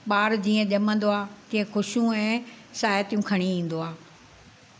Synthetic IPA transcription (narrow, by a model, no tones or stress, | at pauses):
ɓaːɾd͡ʑiːə̃ʄɐmə̃n̆d̪oaːt̪ĩːə̃xʊʃjũɛ̃ː | saːjət̪ijũkʰɐɽ̃iĩːn̆d̪oaː